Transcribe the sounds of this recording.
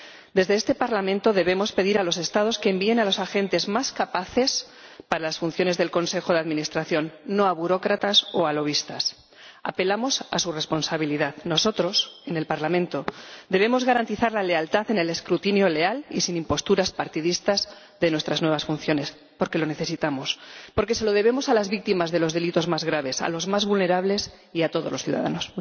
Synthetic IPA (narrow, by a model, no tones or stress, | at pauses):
d̪e̞zðeest̪e̞paɾlamẽnt̪o̞ðe̞β̞e̞mo̞spe̞ðiɾalo̞se̞st̪að̞o̞skeːmbie̞nalo̞saxe̞nt̪e̞zmaskapaθe̞s | paɾalasfunθjone̞zðe̞lko̞nse̞xo̞ð̞e̞aðminist̪ɾaθjo̞nːo̞aβuɾo̞kɾat̪aso̞alo̞β̞ist̪as | a̰pe̞lamo̞sa̰sure̞spo̞nsaβ̞iliðaðno̞so̞t̪ɾo̞se̞ne̞lpaɾlamẽnt̪o̞d̪e̞β̞e̞mo̞zɣaɾant̪iθaɾlale̞alt̪aθe̞ne̞le̞skɾut̪injo̞le̞alḭsinĩmpo̞st̪uɾaspaɾt̪iðist̪az | ðe̞nwe̞st̪ɾaznwe̞β̞asfunθjo̞ne̞s | po̞ɾke̞lo̞ne̞θe̞sit̪amo̞spo̞ɾke̞se̞lo̞ðe̞β̞e̞mo̞salazβik̚t̪imazðe̞lo̞zðe̞lit̪o̞zmazɣɾaβ̞e̞sa̰lo̞zmazβulne̞ɾaβle̞s | iat̪o̞ð̞oloθjṵða̰ða̰nos